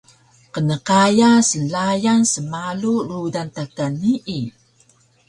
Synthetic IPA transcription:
qənəkajasənlajansəmalurudant̪akanːiʔi

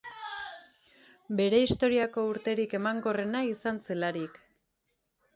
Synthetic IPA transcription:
be̞ɾe̞ist̪o̞ɾiako̞uɾt̪e̞ɾike̞maŋɡo̞re̞naisant͡selaɾik

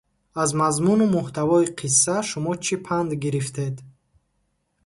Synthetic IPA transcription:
azmazmunumuht̪ʰavɔiqʰisːaʃumɔt͡ʃʰipʰand̪ɡiɾift̪ʰe̞d̪

